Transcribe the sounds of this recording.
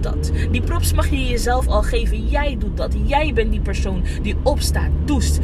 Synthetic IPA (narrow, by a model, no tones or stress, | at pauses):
dɑ̰tdiprɔpsmɑχjəjəzɛlˠfɑlˠχejvənjɛjdut̚dɑtjɛjbɛntdipɛɹsown | diɔpsta̰ːt̚dust